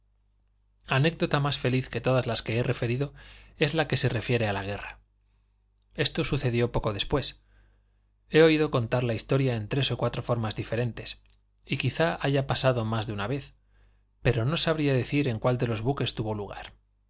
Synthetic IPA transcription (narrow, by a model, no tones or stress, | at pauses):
ane̞k̚d̪o̞t̪amasfe̞liθke̞t̪o̞ðazlaske̞ere̞fe̞ɾiðo̞e̞zlake̞se̞re̞fje̞ɾe̞alaɣ̞e̞ra | e̞st̪o̞suθe̞ðjo̞po̞ko̞ðe̞spwe̞s | e̞o̞iðo̞ko̞nt̪aɾlaist̪o̞ɾjaent̪ɾe̞so̞kwat̪ɾo̞fo̞ɾmazðife̞ɾe̞nt̪e̞s | ikiθaaʝapasaðo̞mazðeunaβe̞θ | pe̞ɾono̞saβɾiaðe̞θiɾe̞ŋkwald̪e̞lo̞zβuke̞st̪uβo̞luɣ̞a̰ɾ